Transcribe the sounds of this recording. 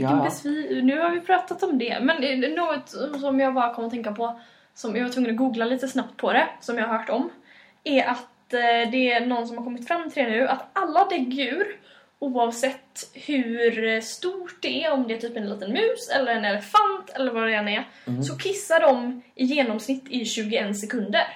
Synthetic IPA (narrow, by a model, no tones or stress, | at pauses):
bɛsvinʉ̟ːhaɾvɪpʰɾɑːt̪at̪ɔmd̪ɛ̰mɛnnoːɡɔt̪sɔmjɑːɡbɑːɾakʰɔməɾɔt̪ʰɛŋkapʰɔ | sɔmjɑɡvaɾt̪ʰvɵŋːənɔɡuːɡlaliːt̪əsnap̚t̪̚pʰɔd̪ɛsɔmjɑːhaɾɦœːʈɔm | æɾʔat̪d̪ɛːnɔnːs̬ɔmhaɾkʰɔmːɪt̪fɾamːt̪ʰɪlɛnʉ̟ːʔat̪alːad̪ɛɡʉ̟ːɾ | uːɑvsɛt̪ːhʉɾst̪uːʈ̚d̪ɛæɾɔmd̪ɛæt̪ʰyːpɛnliːt̪ənmʉ̟ːsɛlːəɾɛnɛlɛfant̪ʰɛlːəɾvaɖɛɛnæɾ | sɔkʰɪsːaɖɔmʔɪjeːnɔmsnɪt̪ːɪɕʉ̟ːɡʊɛnsɛkʰɵnd̪əɾ